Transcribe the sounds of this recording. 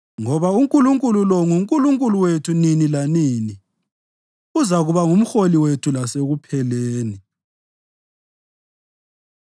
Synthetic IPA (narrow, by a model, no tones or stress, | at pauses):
ŋɔβauŋkʼuluŋkʼululɔŋuŋkʼuluŋkʼuluwetʰuninilanini | uzaɣuβaŋum̩xoliwetʰulaseɣupʰɛleːni